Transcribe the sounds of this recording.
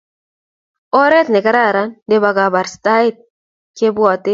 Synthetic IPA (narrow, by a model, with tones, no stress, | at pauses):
ɔ˦ɾɛ˦t̪nɛ˨ka˦ɾa˦˨ɾa˦nde˦ba˨ɡa˨ba˨ɾsta˦i˦t̪̚ | ke˦bwɔ˨t̪e˦